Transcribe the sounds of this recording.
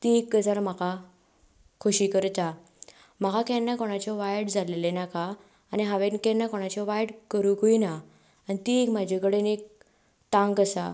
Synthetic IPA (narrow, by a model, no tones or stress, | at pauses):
t̪iekɡəd͡zaɾm̤aka | kʰoɕikəɾt̪a | m̤akakɛnːakɔɽ̃at͡ɕɔʋajɽd͡zʱalelenakaː | niɦaʋenkɛnakɔɽ̃at͡ɕɔʋajɽkəɾuɡoinaː | nit̪iekm̤ad͡ʑʱekəɽenek̚ | t̪ãŋɡəsa